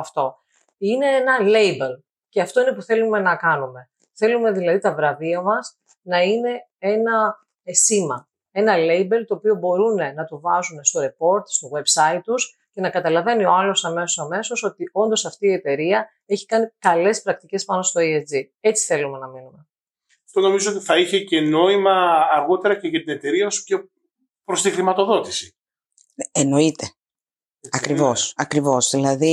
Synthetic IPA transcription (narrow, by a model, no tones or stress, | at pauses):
ɐft̪o̞ | ine̞enɐlejbel | ceɐft̪o̞ine̞puθe̞lume̞nɐkɐnume̞ | θe̞lume̞ðilɐðit̪ɐvɾɐviɐmɐs | nɐine̞ | e̞nɐ | simɐ | e̞nɐle̞jbe̞lt̪o̞ːpiobo̞ɾune̞nɐt̪uvɐzune̞st̪o̞ɾe̞po̞ɾt̪st̪o̞ɣwe̞bsɐit̪ːus | ce̞nɐkɐt̪ɐlɐve̞nio̞ɐlo̞sɐme̞sosɐme̞so̞so̞t̪io̞nd̪o̞sɐft̪iːe̞t̪e̞ɾiɐ | eçi̥kɐnikɐle̞spɾɐk̚t̪ice̞spɐno̞st̪o̞eed͡zi | e̞t͡si̥θe̞lume̞nɐminume̞ | ɐft̪o̞no̞mizoot̪iθɐiçe̞ce̞no̞imɐːɾɣo̞t̪e̞ɾɐce̞ʝɐt̪ine̞t̪e̞ɾiɐospço | pɾost̪ixɾimɐt̪o̞ðo̞t̪i̥si̥ | eno̞it̪e | ɐkɾivo̞sɐkɾivo̞zðilɐði